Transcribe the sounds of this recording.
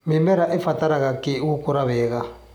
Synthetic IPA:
memɛɾaʔefat̪aɾaɣakeukoɾaβɛːɣa

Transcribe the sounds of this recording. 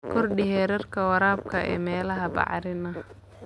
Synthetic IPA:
kʰɔrɖɪɦɛːɾɐrkʰɐwɑɾaːb̚kʰɐɛ̰ːmɛːlɐɦɐbɑ̰ʕɾɪnɐ

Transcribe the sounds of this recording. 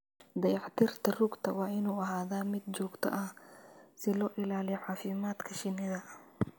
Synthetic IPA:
d̪ɐjɑħt̪ʰɪrt̪ʰɐruɡt̪ʰɐwɑːʔɪnuːɐɦaːðaːmɪd̪̚t͡ʃɔːɡt̪ʰɐ̰ʔɐhsɪlɔːʔɪlaːlɪjɔʕɑːfɪmaːd̪kʰɐʃɪnɪðɐ

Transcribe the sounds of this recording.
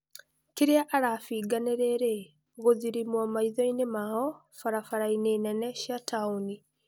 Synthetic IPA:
kiɾeaʔaɾafiːɡaneɾeɾe | ɣoziɾimwamaiðoinemahɔ | faɾafaɾaineːnɛneʃjatʰauni

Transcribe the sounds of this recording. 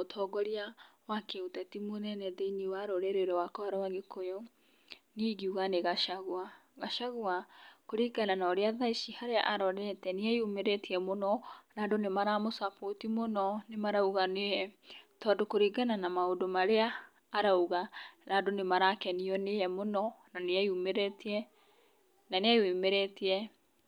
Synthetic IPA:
otʰɔːɡɔɾiawakeutatimonɛnɛðɛiniwaɾoɾɛɾeɾɛwakɔaɾawaɡekʰojo | niːɡiuɣaneɣaʃaɣwa | ɣaʃaɣwakoɾiɡananaɾeaðaiʃihaɾeaʔaɾɔɾɛtɛneajumeɾɛtiɛmonɔnaːdonemaɾamosapotimonɔnemaɾauɣaneɛtɔdokoɾiɡananamaodomaɾeaː | ɾauɣanadonemaɾakɛniɔnejɛmonɔnaneaumɛɾɛtɛ | naneawemɛɾɛtiɾɛ

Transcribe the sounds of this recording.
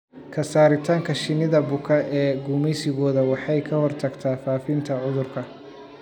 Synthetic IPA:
kʰɐsaːɾɪt̪ʰaːŋkʰɐʃɪnɪðɐbʊkʰɐʔɛːɡuːmɛjsɪɣɔːðɐwɑħɑjkʰɐhɔrt̪ʰɐɡt̪ʰaːfaːfɪnt̪ʰɐʕʊðʊrkʰɐ

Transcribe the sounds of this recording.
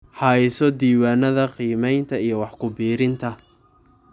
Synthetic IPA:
ħɑɪsɔd̪iːwaːnɐðɐqiːmɛjnt̪ʰɐijɞwɑħkʰʊbiːɾɪnt̪ʰɐ

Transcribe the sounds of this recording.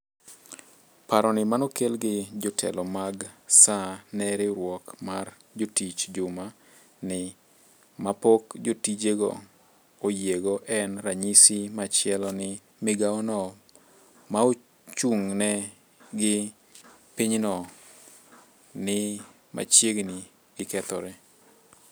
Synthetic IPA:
paɾɔnɪmanɔkelɡɪd͡ʒɔtʰɛ̰lɔmaɡsanɛɾɪɾwɔkmar | d͡ʒotit͡ʃd͡ʒʊma | nɪ | mapokd͡ʒotid͡ʒeɡɔ̰ | ojeɡɔʔɛnɾaɲisimat͡ʃjɛlɔnɪ | mɪɡaɔnɔ | mao | t͡ʃuŋnɛ | ɡɪ | piɲnɔ | nɪ | ma̰t͡ʃjeɡnɪ | ɡɪkɛt̪ɔ̰ɾɛ

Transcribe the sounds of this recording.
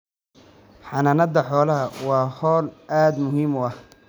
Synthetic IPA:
ħɑnɐnɐd̪ɐħɔːlɐɦɐwɑːhɔːlʔaːd̪mʊɦiːmʊɐh

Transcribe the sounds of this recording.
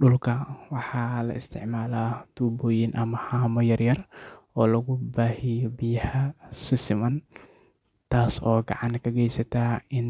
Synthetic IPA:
ɗʊlkʰɐwɑħɑːlɐ̰ɪst̪ʰɪ̰ʕmaːlaːt̪ʰuːbɔːjɪnʔɐmɐhaːmɔjɐrjɐrʔɔːlɐɣʊbaːhɪjɔbɪjɐhɐsɪsɪmɐn | t̪ʰaːsɔːɡɑʕɑnkʰɐɡɛjsɐt̪ʰaːɪn

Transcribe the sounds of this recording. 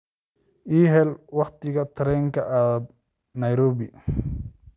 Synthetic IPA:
ʔiːɦɛlwɑχt̪ʰɪɣɐt̪ʰɐɾɛːŋkʰɐʔɐðɐd̪ | nɐjɾɔːβɪ

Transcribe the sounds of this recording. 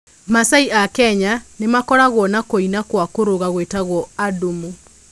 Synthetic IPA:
masaiʔakɛɲanemakɔɾaɣwɔnakoinakwakoɾoɣaɣwetaɣwɔadumu

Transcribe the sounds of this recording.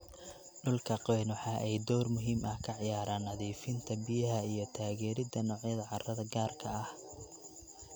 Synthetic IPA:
ɖʊlkʰɐqɛːnwɑħɑːʔɛjd̪ɔːrmʊɦiːmɐhkʰɐʕɪjaːɾaːnːɐðiːfɪnt̪ʰɐbɪjɐɦɐijɞt̪ʰaːɣɛːɾɪd̪ɐnɔːʕjɐðɐʕɑrɐðɐɡaːrkʰɐɐh

